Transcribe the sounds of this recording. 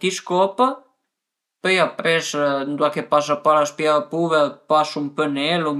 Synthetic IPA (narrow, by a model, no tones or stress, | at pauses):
t̪iskɔpə | pəjapɾɛsnd̪uakepasapaɾaspjaəpuβəpasumpənɛlom